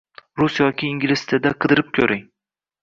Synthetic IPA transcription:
ɾusjɒkʲʰɪːŋɡʲɪlɪst̪ʰɪd̪aqʰɨd̪ɨɾɪp̚kʲʰɵɾɪŋ

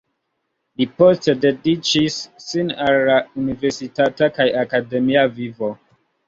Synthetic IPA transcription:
lipostededit͡ʃisːinalːauniveɾsitatakajakademiavivo

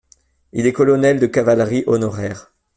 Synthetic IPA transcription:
ilɛkɔlɔnɛld̪əkavalʁiʔɔnɔʁɛːʁ

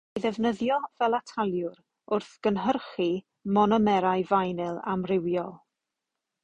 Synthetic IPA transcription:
ðɛvnəðjɔvɛlˠatʰalˠjʊɾ | ʊrθɡ̥ənɦərχi | mɔnɔmɛɾajvajnɪlˠamrɪwjɔlˠ

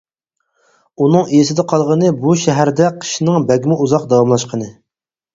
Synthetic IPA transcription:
unɨŋejisɪd̪ɛqʰɑlˠʁənɨbuʃɛɦæɾd̪ɛqʰə̥ʃnɨŋbɛɡʲmɪʔuzɑqd̪ɑwɑmlˠɑʃqənɨ

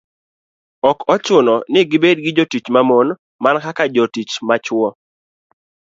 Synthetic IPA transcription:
ɔkɔt͡ʃʊnɔnɪɡɪbed̚ɡɪd͡ʒotit͡ʃmamon | mankakad͡ʒɔtit͡ʃmat͡ʃʊwɔ

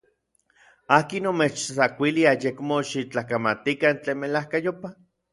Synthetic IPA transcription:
aːkinomet͡ʃt͡sakʷiliajekmoʃit͡ɬakamat̪ikant͡ɬeːnmelahkajopa

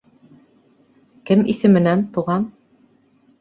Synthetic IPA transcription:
kɘmisɘ̆mɘ̆nænt̪uʁɑn

